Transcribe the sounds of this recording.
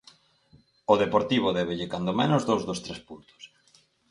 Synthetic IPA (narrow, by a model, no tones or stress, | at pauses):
oðepoɾt̪iβ̞ʊðɛβeʎekand̪omenʊzðowzðost̪ɾɛspunt̪ʊ̥s